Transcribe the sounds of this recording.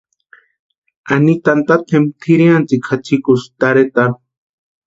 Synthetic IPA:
anit̪ant̪at̪ʰemt̪ʰiɾiant͡sikʰat͡ʃʰikust̪aɾet̪aɾ

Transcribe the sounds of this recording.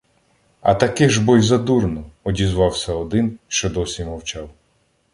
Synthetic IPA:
ɐ̰t̪ɐkɪʒbɔjzɐd̪urnɔɔdʲizʋɑwsʲɐɔd̪ɪnʃt͡ʃɔd̪ɔsʲimɔwt͡ʃɑw

